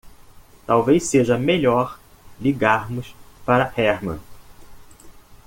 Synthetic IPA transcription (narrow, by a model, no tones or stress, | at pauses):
t̪awvejseʒɐmeʎɔɾ | liɡaɾmʊspaɾɐhɛɾmɐ̰̃